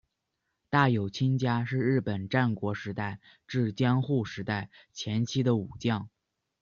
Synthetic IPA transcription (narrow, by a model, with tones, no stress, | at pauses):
t̪a˥˩jo˨˩ʊt͡ɕʰi˥nt͡ɕja˥ʂɻ̩˥˧ɻɻ̩˥˩pə˨˩nʈ͡ʂa˥˩nkwɔ˧˥ʂɻ̩˧˥t̪a˥˩ɪ | ʈ͡ʂɻ̩˥˩t͡ɕjɑ˥ŋxu˥˩ʂɻ̩˧˥t̪a˥˩ɪt͡ɕʰjɛ˧˥nt͡ɕʰi˥d̪ə˨u˨˩t͡ɕjɑ˥˩ŋ